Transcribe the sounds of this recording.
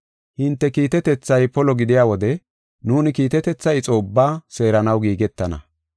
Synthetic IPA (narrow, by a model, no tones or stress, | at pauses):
hɪnt̪ːɛkiːt̪ɛt̪ɛt͡sːɐjpɔlɔɡɪd̪ɪjaːwɔd̪ɛ | nuːnɪkiːt̪ɛt̪ɛt͡sːɐjt͡sʼo̞ːbːaːse̞ːɾɐnɐwɡiːɡɛt̪ːɐnɐ̰